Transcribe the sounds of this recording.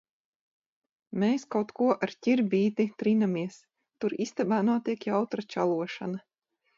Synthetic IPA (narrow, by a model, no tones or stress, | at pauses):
meːskawt̪kuɔʔaɾtʲiɾbʲiːt̪it̪ɾinamiɛs | t̪uɾist̪abaːnuɔt̪iɛkjawt̪ɾat͡ʃa̰lˠuɔʃana